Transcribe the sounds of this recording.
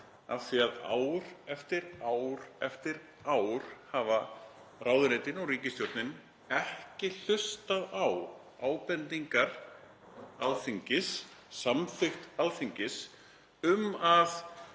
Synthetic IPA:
a̰ðθiaða̰ːwɾ̥ɛft̪ɪɾaːwɾ̥ɛft̪ɪɾ | aːwɾ̥haːva | raːwðʏɾeːt̪ɪnɔɣɾiːcɪst̪jowɾt̪nɪn | ɛhcɪl̥ʏst̪aðaw | aːwpɛnt̪iŋkaɾ̥ | aðθiɲcɪssamθʏxt̪alθiɲcɪs | ʏmað

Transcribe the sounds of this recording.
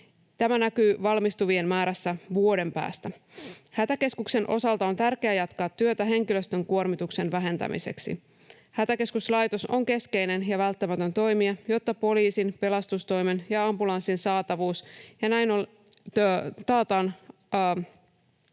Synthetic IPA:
t̪æmænækyːʋɑlmist̪uʋie̞nmæːɾæsːæʋuo̞de̞mpæ̰ːst̪æhæt̪æke̞skukse̞nʔo̞̰sɑlt̪ɑo̞nt̪ærkeæːjɑt̪kɑːt̪ːyøt̪æɦe̞ŋkilø̞st̪ø̞ŋkuo̞rmit̪ukse̞nʋæɦe̞nt̪æ̰mḭse̞̰ksḭ | hæt̪æke̞skuslɑjt̪o̞so̞ŋke̞ske̞jne̞njɑʋælt̪ːæmæt̪ø̞nt̪o̞jmiɑjo̞t̪ːɑpo̞liːsinpe̞lɑst̪ust̪o̞jmenjɑɑmbulɑnsːinsɑːt̪ɑʋuːsjɑnæjnon | t̪ɑːt̪ɑːnː

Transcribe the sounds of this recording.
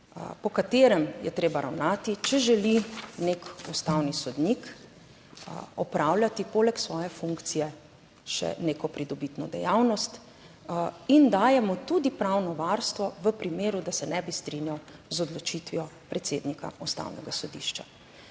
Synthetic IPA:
pɔkat̪eːɾɛmjɛ̰t̪ɾeːbaɾawnaːt̪it͡ʃɛʒɛlinekust̪awnisɔd̪nik | ɔpɾaːwlʲjat̪ipoːlɛksʋɔːjɛfuŋkt̪sijɛ | ʃɛ̰neːkɔpɾid̪ɔbit̪nɔd̪ɛ̰jawnɔst̪ | ind̪aːjɛmɔt̪ud̪ipɾawnɔʋaɾst̪ʋɔʋəpɾimeːɾud̪asɛnɛbist̪ɾinjawzɔd̪lɔt͡ʃit̪ʋijɔpɾɛt̪seːd̪nika̰ust̪a̰ːwnɛ̰ɡasɔd̪ḭʃt͡ʃa

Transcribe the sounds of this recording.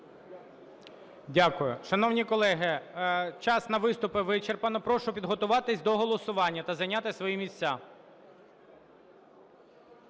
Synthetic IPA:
dʲakʊjʊ̰ʃɐnɔwnʲikɔlˠɛɦɪt͡ʃɑsnɐʋɪst̪ʊpɪʋɪt͡ʃerpɐnɔpɾɔʃʊpʲid̪ɦɔt̪ʊʋɑt̪ɪsʲd̪ɔɦɔlˠɔsʊʋɑnʲːɐt̪ɐzɐjnʲat̪ɪsʋɔjimʲisʲt͡sːʲa

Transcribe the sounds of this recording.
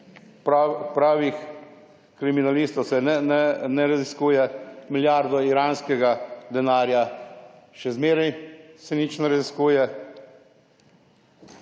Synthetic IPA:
pɾaːʋix | kɾiminalist̪ɔwsɛ | nɛɾaziskuːjɛmiljaːɾd̪ɔiɾaːnskɛɡad̪ɛnaːɾja | ʃɛzmeːɾɛjsɛnit͡ʃnɛɾaziskuːjɛ

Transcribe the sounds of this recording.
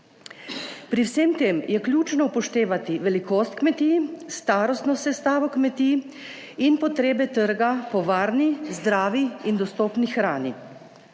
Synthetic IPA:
pɾiwseːmt̪eːmjɛklʲjuːt͡ʃnɔpɔʃt̪eːʋat̪iʋɛlikoːst̪kmɛt̪ist̪aːɾɔst̪nɔsɛst̪aːʋɔkmɛt̪iː | inpɔt̪ɾeːbɛt̪əɾɡapɔʋaːɾnizd̪ɾaːʋiind̪ɔst̪ɔːpnixɾaːni

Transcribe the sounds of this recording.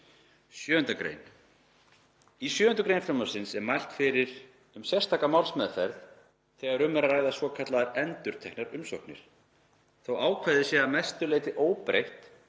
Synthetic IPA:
sjœːʏnt̪akɾḛjn | isjœːʏnt̪ʏkɾejnfɾamɔsɪnsɛɾmajl̥t̪fɪɾɪɾ̥ | ʏmsjɛ̥st̪ʰaːkamawlsmɛðfɛɾθ | θɛːɣaɾʏmːɛɾaɾaːjðasvɔkʰat̪laðaɾɛnt̪ʏɾ̥t̪ʰɛknaɾʏmsɔhknɪ̰ɾ̥ | θowaːwkʰvajðɪsjɛamɛst̪ʏlejt̪ɪʔoːwpɾḛjht̪

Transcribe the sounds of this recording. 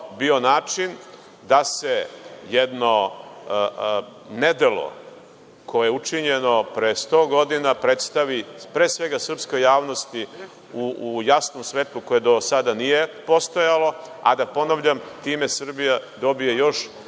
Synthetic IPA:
bio̞naːt͡ʃin | d̪ase̞jed̪no̞ | ned̪elo̞̰ | ko̞jejeut͡ʂiɲeno̞pɾest̪o̞ːɡo̞d̪inapɾet̪st̪aʋipɾeːsʋe̞ɡasr̩pskojaːʋno̞st̪i | ujasnomsʋeːt̪lˠuko̞jed̪o̞sad̪anijepo̞st̪ojalo̞a̰d̪apo̞naʋʎamt̪iːme̞sr̩bijad̪o̞bijejo̞ʃ

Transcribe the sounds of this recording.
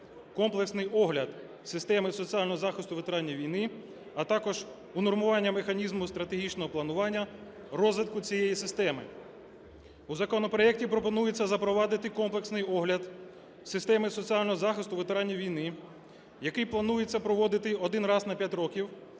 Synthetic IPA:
kɔmplˠeksnɪjʔɔɦlʲɐd̪ | sɪst̪ɛmɪsɔt͡sʲialʲnɔɦɔzɑxɪst̪ʊʋet̪ɾɑnʲːijʋʲijnɪ | ɐt̪ɑkɔʒ | unɔrmʊʋɑnʲːɐmexɐnʲizmʊst̪ɾɐt̪eɦʲit͡ʃnɔɦɔplˠɐnʊʋɑnʲːɐ | rɔzʋɪt̪̚kʊt͡sʲijɛjisɪst̪ɛmɪ̰ | uzɐkɔnɔpɾɔɛk̚tʲipɾɔpɔnujet͡sʲːɐzɐpɾɔʋɑd̪ɪt̪ɪkɔmplˠeksnɪjɔɦlʲɐd̪ | sɪst̪ɛmɪsɔt͡sʲialʲnɔɦɔzɑxɪst̪ʊʋet̪eɾɑnʲːijʋʲijnɪ | jɐkɪjplˠɐnujet͡sʲːɐpɾɔʋɔd̪ɪt̪ɪɔd̪ɪnrɑznɐpʲjatʲɾɔkʲiw

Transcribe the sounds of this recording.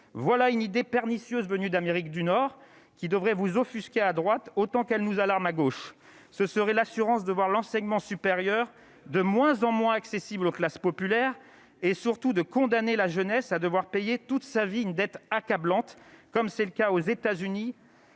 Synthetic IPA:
vwalaynid̪epɛʁnisjøzvənyd̪ameʁikd̪ynɔʁ | kʲid̪əvʁɛvuzɔfyskʲead̪ʁwat̪ot̪ɑ̃kɛlnuzalaʁmaɡoʃ | səsəʁɛlasyʁɑ̃sd̪əvwaʁlɑ̃sɛɲmɑ̃sypeʁjœʁ | d̪əmwɛ̃zɑ̃mwɛ̃aksesibloklaspɔpylɛʁ | esyʁt̪ud̪əkɔ̃d̪anelaʒənɛsad̪əvwaʁpɛjet̪ut̪saviynd̪ɛt̪akablɑ̃t̪kɔmsɛləkaozet̪azyni

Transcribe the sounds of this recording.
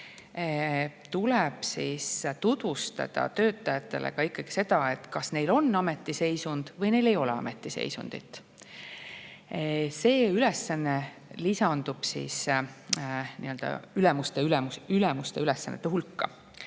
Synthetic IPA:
t̪uleb̥sist̪ud̪̥vust̪ɑ̰d̪̥ɑ̰t̪ø̞ːt̪ːˑɑjɑt̪ːe̞̰lʔḛkɑikːɑɡ̥i̥se̞d̪̥ɑe̞t̪ːˑkɑsne̞jlo̞nːɑme̞t̪ːˑise̞jsund̪̥vɤjne̞jle̞jo̞lɛɑ̰me̞t̪ːˑise̞̰jsṵnd̪̥ḭt̪ːˑ | se̞ːylesːɑnːe̞ | lisɑnd̪̥ub̥sḭːs | niø̞ld̪ɑ̰ylɛmust̪eylɛmuylemust̪e̞ylesːɑ̰nːḛt̪ːeɦulkːɑ̰

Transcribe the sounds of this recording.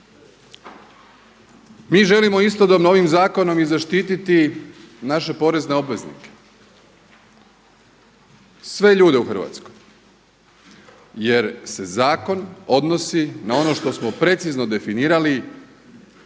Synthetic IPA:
miːʒe̞limo̞ist̪o̞d̪obno̞ʋimzaːko̞no̞mizaʃt̪iːt̪it̪i | naʃe̞po̞ɾe̞zne̞o̞bʋe̞znḭke̥ | sʋe̞ʎuːd̪euxr̩ʋa̰t̪skoj | je̞ɾse̞zaːko̞no̞d̪nosinao̞no̞ʃt̪o̞smo̞pɾe̞t̪sizno̞d̪e̞finiːɾali

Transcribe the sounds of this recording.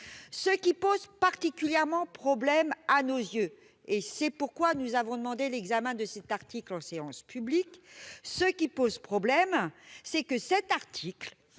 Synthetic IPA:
səkʲipozpaʁt̪ikʲyljɛʁmɑ̃pχɔblɛmanozjø | esɛpuʁkwanuzavɔ̃d̪əmɑ̃d̪elɛɡzamɛ̃d̪əsɛt̪aʁt̪iklɑ̃seɑ̃spybliksəkʲipozpχɔblɛmsɛkəsɛt̪aʁt̪ʰikl

